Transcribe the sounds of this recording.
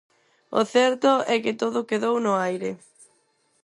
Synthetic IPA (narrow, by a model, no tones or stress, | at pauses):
ʊ̰θɛɾt̪ʊɛkɪt̪oðʊkeðownʊajɾɪ